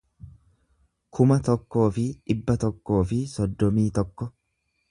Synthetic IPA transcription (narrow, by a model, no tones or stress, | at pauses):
kʰʊmɐt̪ɔkːo̞ːfɪᶑɪbːɐt̪ɔkːo̞ːfɪsɔd̪ːɔmiːt̪ɔkːɔ